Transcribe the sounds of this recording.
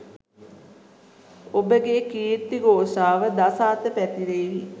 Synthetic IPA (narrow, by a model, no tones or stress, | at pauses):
obəɡeːkiːɾt̪iɡoːʂaːʋəd̪asaːt̪əpæt̪iɾeːʋi